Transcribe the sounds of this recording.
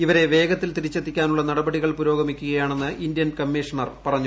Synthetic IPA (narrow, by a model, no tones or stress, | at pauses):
iʋɐɾe̞ʋe̞ːɡɐt̪ːilt̪iɾit͡ɕːɐt̪ːikʲːaːnuɭːɐnɐɽɐbɐɽiɣɐɭpuɾo̞ːɡɐmikʲːuɣɐjaːɳe̞nːɨind̪jɐnkɐmːiʂɐɳɐrpɐrɐɲːu